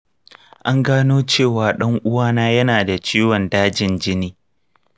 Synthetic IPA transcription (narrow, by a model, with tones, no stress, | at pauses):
ʔa˦ŋɡaː˦noː˦t͡ʃeː˦˨waː˨ɗɐ˦ŋʔʊ˦waː˦naː˦jɐ˦naː˨da˨t͡ʃiː˦wɔ˨ndaː˦d͡ʒɪ˨nd͡ʒɪ˦niː˦